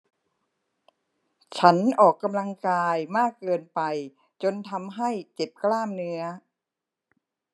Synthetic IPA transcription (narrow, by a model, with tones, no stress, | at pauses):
t͡ɕʰa˦˥nʔɔː˨˩kːa˧mla˧ŋkaː˧jmaː˥˩kːɤː˧npa˧j | t͡ɕo˧nt̪ʰa˧mɦa˥˩jt͡ɕe˨˩p̚klaː˥˩mnɯ˦˥ɐ